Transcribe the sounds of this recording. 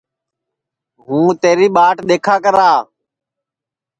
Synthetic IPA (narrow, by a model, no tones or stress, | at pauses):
ɦũːt̪eːɾiːɓaːʈɗ̪eːkʰaːkəɾaː